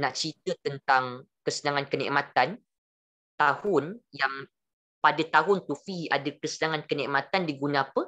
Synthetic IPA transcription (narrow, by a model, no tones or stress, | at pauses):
nãʔt͡ʃit̪ət̪ənt̪aŋ | kəsənãŋankənḭʔmãt̪an | t̪ahʊnjaŋ | padat̪aɦʊnt̪ufia̰dakəsənaŋankənĩʔmãt̪andiɡunãapə